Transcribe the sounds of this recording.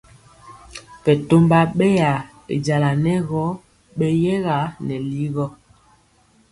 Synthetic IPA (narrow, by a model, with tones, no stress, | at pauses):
pɛ˨to˦mba˦ɓɛ˦ja˨ | ḛ˨d͡ʒa˨la˨nɛ˦ɣɔ˦ | ɓɛ˦jɛ˦ɣa˨˦nɛ˨li˦ɣɔ˦